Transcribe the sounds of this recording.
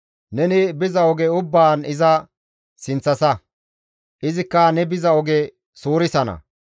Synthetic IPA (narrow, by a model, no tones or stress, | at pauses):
nɛnɪbɪzɐɔɡɛʊbːaːnɪzɐ | sɪnt͡sːɐsɐ | ʔɪzɪkːɐnɛbɪzɐɔɡɛ | suːɾɪsɐnɐ̰